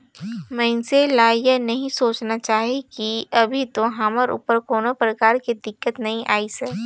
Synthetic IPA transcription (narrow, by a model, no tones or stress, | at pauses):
mɛ̃ːnselaːjənɐɦĩsoːt͡ʃnat͡ʃaːɦekiɐbʱit̪oɦaːməɾṵːpəɾkoːnopɾəkaːɾkid̪ɪkːət̪nɐɦĩʔa̰ːisɛː